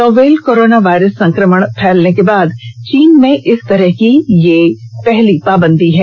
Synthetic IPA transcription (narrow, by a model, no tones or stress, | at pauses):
sɔːʋeːlkoːɾoːnaʋaːɪɾəsːɐ̃ŋkɾəməɽ̃pʰɛːlnekebaːd̪t͡ʃiːnmẽʔɪst̪ɐɾəɦkijepɛɦlipaːbə̃nd̪ʱiɦɛː